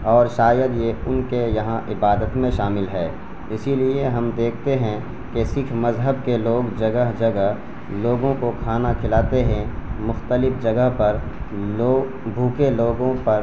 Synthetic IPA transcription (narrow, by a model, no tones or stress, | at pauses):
ɔːɾʃaːjəd̪jeʊnkejɐɦãʔɪbaːd̪ət̪mẽʃaːmɪlɦɛː | ɪsilieɦɐmd̪eːkʰt̪eɦɛ̃ | kesɪkʰmɐzɦəb̚keloːɡd͡ʒɐɡəɦd͡ʒɐɡəɦ | loːɡõkokʰaːnakʰɪlaːt̪eɦɛ̃mʊxt̪əlɪfd͡ʒɐɡəɦpɐɾ | o | bʱuːkeloːɡõpɐɾ